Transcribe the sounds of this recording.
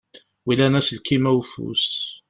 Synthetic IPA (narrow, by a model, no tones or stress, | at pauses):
wilænæsəlkimæwfṵs